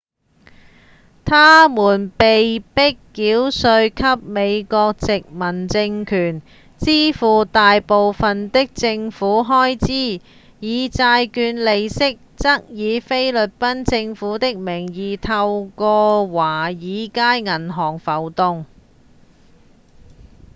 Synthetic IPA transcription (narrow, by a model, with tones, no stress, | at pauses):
t̪ʰaː˥muː˨˩npe˨jpɪ˥kːiː˨˥wsɵ˧ɥkʰɐ˥p̚me˨˧jkɔː˧k̚t͡sɪ˨k̚mɐ˨˩nt͡sɪ˧ŋkʰyː˨˩n | t͡siː˥fuː˨t̪aː˨jpo˨wfɐ˨nt̪ɪ˥k̚t͡sɪ˧ŋfuː˨˥ɦɔː˥jt͡siː˥ | jiː˨˧t͡saː˧jkyː˨˧nle˨jsɪ˥k̚t͡sɐ˥k̚jiː˨˧fe˥jlɵ˨t̚pɐ˥nt͡sɪ˧ŋfuː˨˥t̪ɪ˥k̚mɪ˨˩ŋjiː˨t̪ʰɐ˧wkɔː˧waː˨˩jiː˨˧kaː˥jŋɐ˨˩nɦɔː˨˩ŋfɐ˨˩wt̪ʊ˧ŋ